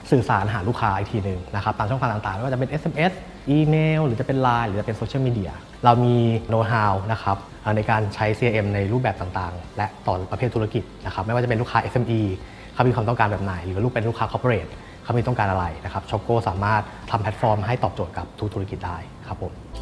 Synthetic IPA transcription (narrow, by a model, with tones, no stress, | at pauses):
sɯː˨˩saː˩˦nɦaː˩˦luː˥˩kʰaː˦˥ʔi˨˧˩t̪ʰiː˧nɯ˨ŋna˦˥kʰa˦˥p̚taː˧ŋʰt͡ɕʰːŋʰka˧t̪a˨ŋt̪aː˨˩ŋa˥jwaː˥˩t͡ɕpe˧nʔe˦˥sʔe˧mʔe˦˥s | ʔiː˧meː˧wɾɯː˩˦t͡ɕa˨˩pe˧nlaː˧jɾɯː˨˦t͡ɕa˨˩pe˧nsoː˧t͡ɕʰi˦˥˩miː˧di˧˩ɐ | ɾa˧wmiː˧noː˦˥t̪ɦaː˧wna˦˥kʰa˦˥p̚ | ʔəː˨˩na˧jkaː˧nt͡ɕʰa˦˥jsiː˧˩ʔe˧mna˧jɾuː˥˩p̚bɛː˨˩p̚t̪a˨˩ŋt̪aː˨˩ŋlɛ˦˥ʔt̪ɔː˨˩pɾa˧pʰeː˥˩t̪ʰːu˦ɾa˥˧ki˨˩t̪̚na˦˥kʰa˦˥pma˥˩jwaː˥˩t͡ɕpe˧luː˥kʰaː˦˥ʔe˦˥sʔe˧mʔiː˧ | kʰa˥˩wmiː˧kʰa˧mt̪ɔ˥˩ŋkaː˧nbɛː˨˩p̚na˨˩jlɯː˨˦luː˥˩pe˧nlu˥˩kʰaː˦˥kʰɔ˧˦˥pʰːo˧ɾeː˨˩t̪̚ | kʰa˦˥˩mi˧t̪ɔ˥˩ŋkaː˧nʔa˧ɾa˧jna˦˥kʰa˦˥p̚t͡ɕʰɔ˧koː˥˩saː˩˦maː˥˩t̪̚t̪ʰa˧mpʰɛ˦˥t̪̚fɔː˧mɦa˥˩jt̪ɔː˨˩p̚t͡ɕoː˨˩t̪̚ka˨˩p̚t̪ʰu˦k̚t̪ʰɾa˥ki˨˩daː˥˩j | kʰa˦˥pʰːo˨˩˦